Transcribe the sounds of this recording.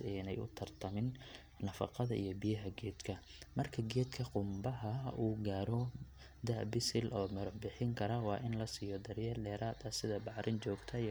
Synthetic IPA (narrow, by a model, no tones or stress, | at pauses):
ɛːnɛjʊ̰t̪ʰɐrt̪ʰɐmɪn | nɐfɑ̰qɑðɐʔḭjɞbijɐɦɐɡɛːd̪̥kʰɐ | mɐrkʰɐɡɛːd̪kʰɐqʊmbɐɦɐuːɡaːɾɔ | d̪ɐʔbɪsɪlʔɔːmɐɾbɪħɪŋkʰɐɾɐwɑːʔɪnlɐsiːjɔd̪ɐɾjɐrɖɛːɾaːd̪ɐsɪðɐbɑʕɾʔɪnt͡ʃɔːɡt̪ʰɐ